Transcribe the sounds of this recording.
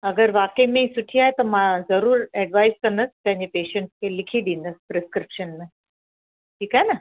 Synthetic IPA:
ɐɡəɾʋaːkəimẽsʊʈʰiaːɦet̪ɐmãzɐɾuːɾɛːɖʋaːɪzkɐ̃nd̪əspɐ̃ɦɪ̃ɲd͡ʑepeːʃə̃ɳʈskʰelɪkʰiɗ̪ĩnd̪əspɾɪskɾɪpʃənmẽ | ʈʰiːkaːɦenɐ

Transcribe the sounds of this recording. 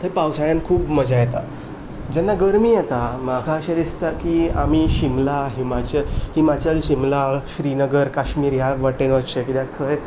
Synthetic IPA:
t̪ʰəɾpawsaɭjankʰuːpməd͡zajet̪a̰ | d͡ʑɛnːaɡəɾmiːjɛt̪amaɡʱaəɕed̪ist̪aɾkiːa̰miːɕimlaɦimat͡ɕəlhiːmat͡ɕəlɕimlaɕɾinəɡəɾkaɕmiːɾjaʋaʈenʋət͡ɕekid̪akt̪ʰəe

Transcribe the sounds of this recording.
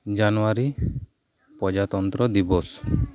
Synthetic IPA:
d͡ʒanuwaɾi | pɔd͡ʒat̪ɔnt̪ɾɔd̪ibɔs

